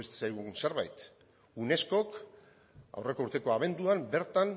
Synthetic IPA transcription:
est̪sajɣ̞unse̞ɾβa̰jt̪ | une̞sko̞k | a̰wre̞ko̞uɾt̪e̞ko̞aβ̞e̞nd̪uambe̞ɾt̪an

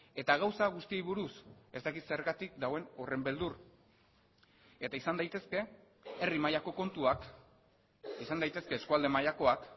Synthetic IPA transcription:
e̞t̪aɣ̞awsaɣust̪iejβuɾuse̞st̪akit̪se̞ɾɣat̪ik̚d̪awe̞no̞re̞mbe̞ld̪ur | e̞t̪aisand̪ajt̪e̞ske̞ | erimajako̞ko̞nt̪uak | isand̪ajt̪e̞ske̞ːskuald̪e̞majako̞ak

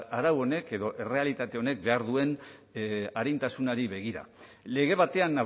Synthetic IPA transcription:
aɾawo̞ne̞ke̞ðo̞ʔe̞re̞alit̪at̪e̞o̞ne̞k̚be̞aɾðue̞n | aɾijnt̪asunaɾiβe̞ɣ̞iɾa̰le̞ɣe̞β̞at̪e̞ana

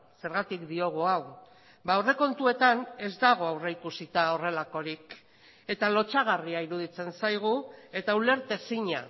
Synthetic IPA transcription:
se̞ɾɣat̪ikd̪io̞ɣ̞uaw | baore̞ko̞nt̪ue̞t̪ane̞zd̪aɣ̞o̞awreikusit̪ao̞re̞lako̞ɾik | e̞t̪alo̞t͡ʃaɣ̞ariaiɾuð̞it͡se̞nsajɣ̞ue̞t̪aule̞ɾt̪e̞siɲa

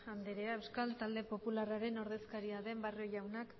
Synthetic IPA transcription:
and̪eɾeaewskalt̪ald̪e̞po̞pularaɾe̞no̞ɾðe̞skaɾiaðe̞mbarioʝawnak

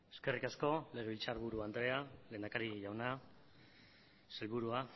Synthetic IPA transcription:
e̞ske̞rikasko̞le̞ɣ̞e̞βilt͡saɾβuɾuand̪ɾe̞ale̞ːnd̪akaɾiʝawna | selβuɾua

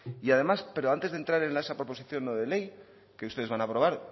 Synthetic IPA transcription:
iaðe̞maspe̞ɾo̞ant̪e̞zðe̞nt̪ɾaɾe̞nlaesapɾo̞po̞siθjo̞nːoðe̞le̞j | ke̞ust̪e̞e̞zβanaːpɾo̞β̞aɾ

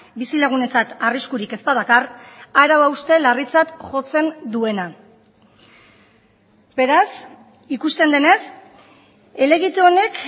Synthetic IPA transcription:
bisilaɣ̞une̞t͡sat̪ariskuɾike̞spað̞akaraɾawawst̪e̞larit͡sat̪ʝo̞t͡se̞nd̪ue̞na | be̞ɾas | ikust̪e̞nd̪e̞ne̞s | e̞le̞ɣit̪eone̞k

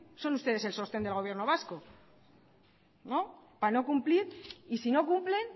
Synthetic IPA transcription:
so̞nust̪e̞ð̞e̞se̞lso̞st̪end̪elɣ̞o̞β̞je̞ɾno̞β̞asko̞ | no̞ | pano̞kumpliɾisino̞kumple̞n

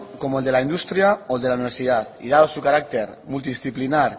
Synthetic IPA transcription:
komoeld̪elaind̪ust̪ɾjaoeld̪elauniβeɾsiðat̪ḭðaðosukaɾak̚t̪eɾmult̪iðisθiplinaɾ

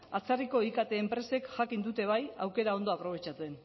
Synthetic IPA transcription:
at͡sariko̞ikat̪e̞ːmpɾe̞se̞kʝakind̪ut̪e̞β̞ajawke̞ɾao̞nd̪o̞apɾo̞βe̞t͡ʃat͡se̞n

